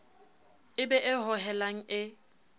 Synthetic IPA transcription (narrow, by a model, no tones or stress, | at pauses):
ɪbɛʔɪɦʊɦɛlaŋ̩ɪ